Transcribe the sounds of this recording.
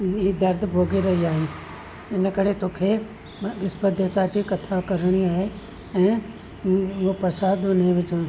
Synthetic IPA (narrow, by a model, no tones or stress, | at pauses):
iːd̪ɐɾd̪ʱbʱoːɡiɾɐɦiaːɦeː | ɪnkəɾet̪oːkʰe | ʋɪspəd̪ʱət̪ad͡ʑikɐt̪ʰakɐɾɽ̃iaːɦe | ɛ̃ː | opɾəsaːd̪ʊneʋɪt͡ʃː